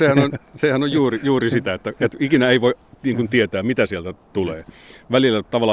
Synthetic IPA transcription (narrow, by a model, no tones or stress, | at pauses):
sehænonʲsehænojjuːrijuːrisit̪æet̪ːæet̪ikinæeiʋoiniːŋkunt̪iet̪æːmit̪æsielt̪æt̪uleːʋælilːæt̪ɑʋɑlːˑɑ